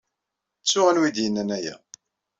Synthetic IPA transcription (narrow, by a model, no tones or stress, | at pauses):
t͡sːʊʁænwid̪jənːænæjæ̰